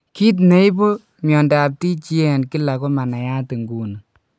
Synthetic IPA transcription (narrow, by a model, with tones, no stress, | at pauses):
ki˦t̬ne˦i˦bo˦ | mjɔ˨nda˨p̚ti˦t͡ʃi˦ɛ˨nki˦la˨ko˦ma˨na˨ja˦te˨ŋɡu˨nɨ˨